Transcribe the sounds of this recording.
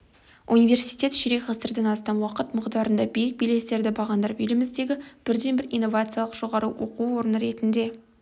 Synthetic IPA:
unijvʲe̞ɾrsijt̪ʲe̞t̪ʃɪɾe̞kʁɑsəɾd̪ɑnɑst̪ɑnwɑqət̪mʊqd̪ɑɾənd̪ɑbejɪk̚bijle̞se̞ɾd̪ɪbɑʁɑnd̪ɑɾpɪlɪmɪzd̪e̞ɡʲɪb̥ɪɾd̪e̞nbɪɾinːo̞vat̪sɨjalˠəqʒ̥o̞ʁɑɾuwo̰quwo̞ɾənəɾe̞t̪ɪnd̪e̞

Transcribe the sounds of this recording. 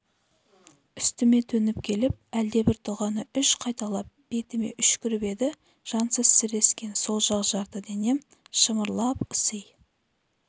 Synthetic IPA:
ʏst̪ɪme̞t̪ʰɵnɪp̚kʲʰe̞lɪp̚æld̪e̞bɪɾt̪ʰʊʁɑnəʏʃqʰɑjt̪ɑlˠɑp̚b̥e̞t̪ɪme̞̰ʔʏʃkʲʰʏɾɪbe̞d̪ɪ | ʒ̥ɑnsəzsɪɾe̞skʲe̞nso̞lˠʒɑqʒɑɾt̪əd̪e̞ne̞m | ʃəməɾlˠɑpʊsəj

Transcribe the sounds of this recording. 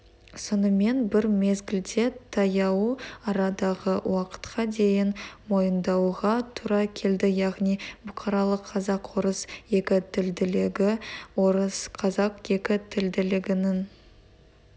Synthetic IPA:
sonəme̞nbɪɾme̞zɡʲɪld̪e̞t̪ʰɑjɑwuɑɾɑd̪ɑʁəwɑqə̥t̪qʰɑd̪e̞jɪnmo̞jənd̪ɑwʁɑt̪ʰuɾɑkʲʰe̞ld̪ɪjɑʁnijbʊqʰɑɾɑlˠəqʰːɑzɑqwo̞ɾəsje̞kʲɪt̪ɪld̪ɪɡɪoɾəsqʰɑzɑqje̞kʲɪt̪ʰɪld̪ɪlɪɡʲɪnɪn

